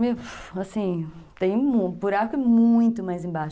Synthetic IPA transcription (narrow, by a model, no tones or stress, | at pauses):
measĩt̪ẽj̃mũpuɾaɾkɛmũj̃t̪ʊmajzẽbaʃ